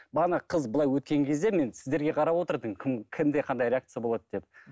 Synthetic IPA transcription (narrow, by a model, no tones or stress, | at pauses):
bɑnɑqʰəzbəlˠɑjwɵt̪̚kʲe̞ŋkʲʰe̞zd̪e̞me̞nsɪzd̪eɾɡʲe̞qʰɑɾɑwo̞t̪əɾd̪əɴkʲʰɪmkʲʰɪnd̪e̞qʰɑnd̪ɑjɾʲeak̚t̪sɨjabo̞lˠɑd̪əd̪e̞p̚